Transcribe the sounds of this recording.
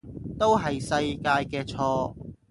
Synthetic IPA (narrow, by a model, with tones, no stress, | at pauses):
t̪o˥wɦɐ˨jsɐ˧jkaː˧jkɛː˧t͡sʰɔː˧